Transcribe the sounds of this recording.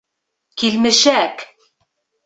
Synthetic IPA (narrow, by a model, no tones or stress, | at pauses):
kilmɘ̆ʃæk